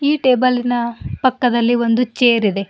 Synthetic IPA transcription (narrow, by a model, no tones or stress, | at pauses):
iːʈe̞ːbɐlːinɐpɐkːɐd̪ɐlːio̞nd̪ut͡ʃeːɾid̪e̞